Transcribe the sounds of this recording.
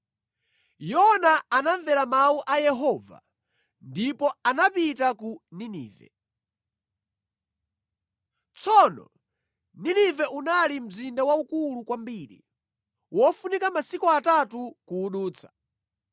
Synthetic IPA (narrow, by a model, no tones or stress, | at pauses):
jɔnaːnaɱvɛɾamauʔajɛɦɔːva̰ | ndipɔanapitakuninḭːvɛ̰ | t͡sʰɔnɔ̰ | ninivɛʔunalim̩zindawaukulukwambiːɾḭ | wɔfunikamasikɔatatukuːɗuːt͡sʰḁ